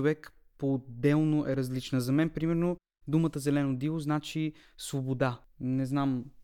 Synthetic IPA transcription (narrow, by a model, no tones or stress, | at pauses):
ovɛk | pod̪ːɛlˠnoʔɛɾɐzlit͡ʃnəzɐmɛnpɾimɛɾno | d̪umət̪əzɛlɛnod̪ilˠoznat͡ʃi | svobod̪a | nɛznam